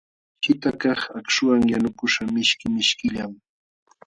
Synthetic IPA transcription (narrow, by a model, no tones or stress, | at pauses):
hɪt̪akɑχakʃʊwaŋjanʊkʊʃamɪʃkɪmɪʃkɪʎam